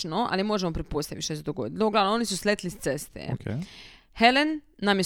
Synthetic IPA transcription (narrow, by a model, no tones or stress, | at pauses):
noʔa̰lnimo̞ʒemo̞pɾepo̞st̪aʋḭt̪ʃt̪osed̪oɡo̰d̪it̪louɡlalnoo̞nisuslet̪list̪sest̪ḛk | helenːamje